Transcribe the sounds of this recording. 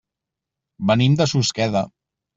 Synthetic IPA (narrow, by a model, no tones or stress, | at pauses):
bənimd̪əsuskɛðə